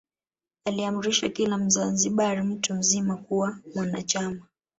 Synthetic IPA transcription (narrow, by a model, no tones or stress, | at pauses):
aliamuɾiʃakilam̩zanziɓaɾim̩tum̩zimakuwamwanat͡ʃama